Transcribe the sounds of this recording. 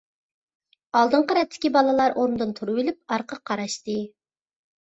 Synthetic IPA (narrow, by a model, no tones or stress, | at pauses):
ɑlˠd̪ɨɴqɑɾɛt̪ʰːɪ̥kʲibɑlˠɨlˠɑɾʔoɾnd̪ɨnt̪ʰuɾubɪlɪp̚ɑɾqʰəqʰːɑɾɑʃt̪ɨ